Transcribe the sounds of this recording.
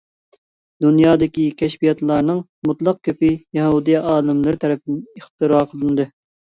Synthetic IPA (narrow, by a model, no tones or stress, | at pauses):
d̪unjɑːd̪ɪkʲikʲʰɛʃbijɑt̪lˠɑɾnɨŋ | mut̪lˠɑq̚kʲʰøpɪjɛɦud̪ɨjɛʔɑːlˠɨmlˠɨɾɪt̪ʰɛɾɛp̚ɪd̪ɪneχt̪ɨɾɑːqʰəlˠɨnd̪ɨ